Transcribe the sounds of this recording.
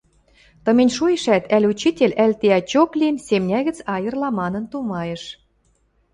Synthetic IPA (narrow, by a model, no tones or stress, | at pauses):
t̪ɤ̆mʲenʲʃujeʃæt̪ʰælʲut͡ɕit̪ʲelʲælʲt̪eɑt͡ɕoklʲiənsemnʲæɣɘ̆t͡sɑjɤ̆rlɑmɑnə̆nt̪umɑjĕʃ